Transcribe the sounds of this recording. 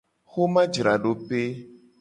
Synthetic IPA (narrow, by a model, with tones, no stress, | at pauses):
xo˦mã˦d͡ʒɾa˨ɖo˨pe˦